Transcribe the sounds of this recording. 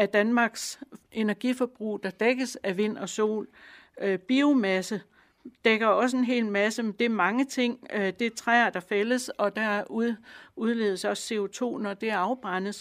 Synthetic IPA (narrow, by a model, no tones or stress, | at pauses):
æd̥ænmɑ̈ɡ̥se̝næɐɡ̥ifɒ̽b̥ʁṵːd̥ɑ̈d̥eɡ̥əsæʋe̝n̰ɒ̽so̝̰ːløb̥io̝mæsə | d̥eɡ̥ɐɒ̽s̬əe̝nɦe̝̰ːlmæsəmend̥e̝æɐmɑ̈ŋət͡sʰe̝ŋ̰d̥e̝t͡sʰʁɛːɐd̥ɑ̈feləsɒ̽d̥æɐuðˠuðˠle̝ːðˠəsɒ̽sːe̝o̝t͡sʰo̝̰ːnɒ̽d̥e̝æɐɑ̈ʊb̥ʁɑn̰ð̩ˠ